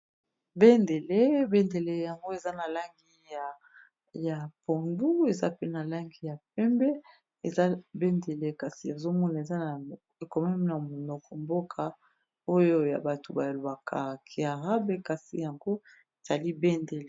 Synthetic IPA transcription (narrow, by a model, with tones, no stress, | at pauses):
be˦nde˨le˦bɛ˦nde˨le˦ja˨ŋɡo˦e˨za˦na˨la˦ŋɡi˦ja˨ | ja˨po˨ndu˦e˨za̰˦pe˦na˨la˦ŋɡi˦ja˨p̚ɛ˦mbɛ˦ | e˨za˦be˦nde˨le˦ka˨si˨e˨zo˦mɔ˦na˨e˨za˦na˨ | e˨kɔ˨mɛ˦m˨na˨mo˨nɔ˨kʰɔ˨mbo˦kʰa˨ | o˦jo˦ja̰˨ba˨to˨ba˨lo˨ba˨kʰa˨kʰi˨a˨ʁa˦be˦ka˨sḭ˨ja˨ŋɡo˦ | e˨z̥a˨li˦be˦nde˨le˨